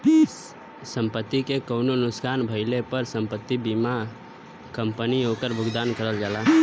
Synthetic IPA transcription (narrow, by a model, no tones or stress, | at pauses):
səmpət̪ːikekəʊnonʊskaːnbʱəɪlepəɾsəmpət̪ːibima | kəmpəniokəɾbʱʊɡd̪aːnkəɾəld͡ʒala